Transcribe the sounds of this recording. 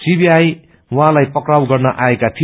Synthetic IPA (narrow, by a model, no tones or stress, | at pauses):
sibiaj | wãlajpʌkrawɡʌrnʌʔaekat̪ʰi